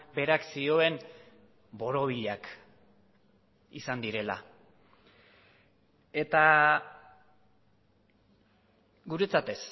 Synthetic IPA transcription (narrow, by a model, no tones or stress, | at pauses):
be̞ɾaksio̞e̞n | bo̞ɾo̞βiʎak | isand̪iɾe̞la̰ | e̞t̪a | ɡuɾe̞t͡sat̪e̞s